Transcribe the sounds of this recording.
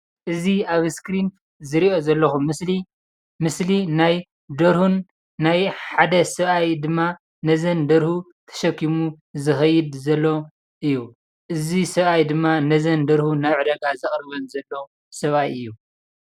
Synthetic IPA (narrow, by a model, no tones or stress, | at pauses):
ʔɨziaβskɾin | zɨɾiʔo̞zɐlːɐxumsli | mɨslinaj | d̪ɐɾhunː | ajħad̪ɐsɐβajd̪ɨmːa | nɐzɐnd̪ɐɾhu | t̪ʰɐ̥ʃɐkːimu | zɨxɐjːɨd̪zɐlːo̞ | ʔɨjːu | ʔɨzisɐβajd̪ɨmːanɐzɐnd̪ɐɾhunaβʕɨd̪ɐɡazɨχʼɾɐβɐnzɐlːo̞ | sɐβajɨjːu